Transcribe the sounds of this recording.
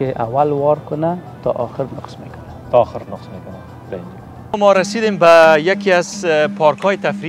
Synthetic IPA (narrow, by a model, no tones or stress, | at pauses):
keʔawalwɔɾkʊnat̪ɔ̰ʔɔxɪɾnʊqsmekʊnat̪ɔːxɪɾnʊqsmekʊna | b̪aind̪u | mɔɾasid̪embajakiazpʰɔɾkʰɔjɪt̪afɾi